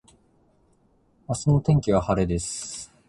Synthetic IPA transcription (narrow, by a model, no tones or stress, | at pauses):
asɨnot̪ẽ̞ŋkʲiβ̞ahaɾe̞d̪e̞sɨ̥